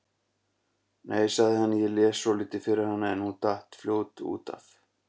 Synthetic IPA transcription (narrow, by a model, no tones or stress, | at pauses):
nʔeːjsaɣðɪhanːɪjɛlɛːsɔliːt̪ɪfɪɾɪɾ̥hanːaɛnhunt̪aht̪fljoːwt̪ṵːt̪a̰f